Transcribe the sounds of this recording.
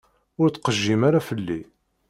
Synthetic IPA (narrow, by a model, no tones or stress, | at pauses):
ʊɾt͡s̪ːqəʒːimaɾafəlːi